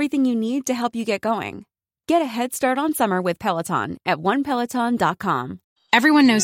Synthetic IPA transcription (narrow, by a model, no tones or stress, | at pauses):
ɹiθɪ̃ŋjɨnid̚tɨɦɛlˠpjɨɡɛt̚ɡ̥oʊɪ̰̃ŋ | ɡ̥ɛɾɨɦɛd̥stɑɹɾn̩sʌmə˞wɨð̥pʰɛlˠətʰɑ̰̃nʔɨt̚wʌ̃npʰɛlˠətʰɑ̃ndɑt̚kʰɑ̰̃m | ɛvɹiwʌ̃nːoʊz